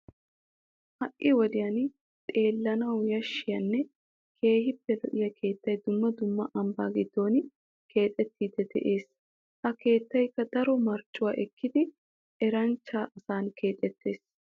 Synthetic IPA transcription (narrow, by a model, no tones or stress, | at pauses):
hɐʔʔːɪwɔd̪ɪjɐn | t̪ʼe̞ːlːɐnɐwjɐʃːɪjɐnːɛ | kʰe̞ːhɪpːɛlɔ̰ʔɪjɐkʰe̞ːt̪ːɐjd̪ʊmːɐd̪ʊmːɐʔɐmba̰ːɡɪd̪ːo̞ːn | ke̞ːt̪ʼːɛt̪ːiːd̪ɛd̪ɛ̰ʔe̞ːs | hɐke̞ːt̪ːɐjkːɐd̪ɐɾɔmɐɾt͡ʃʼːʊwaːʔɛkːɪd̪ɪ | ɛɾɐnt͡ʃːaːʔɐsaːnkʰe̞ːt̪ʼɛt̪ːe̞ːs